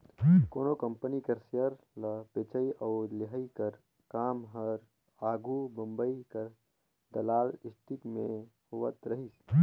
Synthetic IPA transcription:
koːnokɐmpənikɐɾsjəɾ | ləpeːt͡ʃəiʔɐːɾlɪɦəikɐɾ | kaːmɦɐɾ | aːɡʱubɐ̃mbəikɐɾ | d̪ɐlaːlɪsʈ̪ikmẽhoʋət̪ɾɐɦis

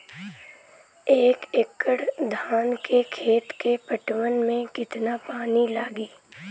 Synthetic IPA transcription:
eːkekːəɽd̪ʱaːnkʰekʰeːt̪kepəʈʋənmẽkɪt̪napaːnilaːɡiː

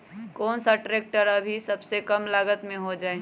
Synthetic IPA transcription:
kɔːnsaʈɾeːk̚ʈəɾɐbʱisɐbsekəmlaːɡət̪mẽɦod͡ʒaːe

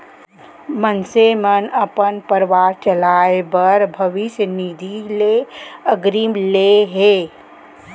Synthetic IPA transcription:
mənsemənəpənpəɾʋaːɾt͡ʃəlaːebəɾbʱəʋɪʃjənid̪ʱileəɡɾiːmleɦeː

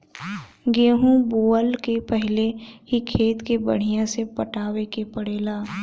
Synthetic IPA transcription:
ɡeːɦũboːəlkepɛɦɪleɦikʰeːt̪kebə̰ɽ̤ijãsepəʈaːwekepəɽeːlaː

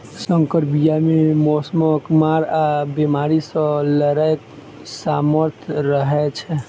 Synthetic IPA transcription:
səŋkəɾbijamemɔsməkmaɾabemaɾisə̃ləɾajk | saməɾt̪ʰɾəɦɛt͡ʃʰɛ

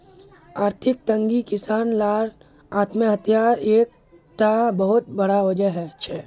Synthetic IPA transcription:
aːɾt̪ʰɪk̚t̪ə̃ŋɡikɪsaːnlaːɾ | aːt̪məɦət̪ʰjaːɾeːk̚ | ʈabəɦʊt̪̚bɐɽaoːd͡ʒəɦɛʃʰɛː

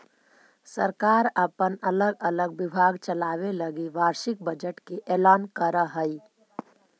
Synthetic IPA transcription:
səɾkaːɾəpənələɡələɡ̚bɪbʱaɡt͡ʃəlaːʋeləɡiʋaːɾʃɪk̚bəd͡ʒəʈkeʔelaːnkəɾəɦəi

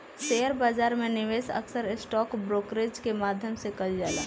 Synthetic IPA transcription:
seːjəɾbaːzaːɾmẽnɪʋeːsə̰ksəɾɪsʈɔːkbɾoːkɾeːd͡ʒkemaːd̪ʱjəmsekəld͡ʒaːla̰ː

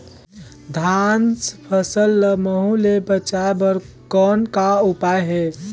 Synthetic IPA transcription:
d̪ʱanspʰəsəlːəməɦũlebət͡ʃabəɾkɔnkaupajɦe

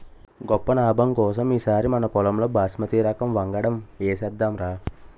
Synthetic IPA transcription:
ɡɔpːɐnaːbɐmkɔːs̬ɐmiːsaːɾimɐnɐkɔlɐmloːbaːsmɐt̪iːɾɐkɐmʋɐŋɡɐɽɐmeːsɛd̪ːaːmɾaː

